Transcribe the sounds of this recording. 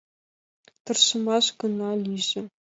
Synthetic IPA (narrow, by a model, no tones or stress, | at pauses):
t̪ɤ̆rʃɤ̆mɑʃkɤ̆nɑlʲiʒɘ̆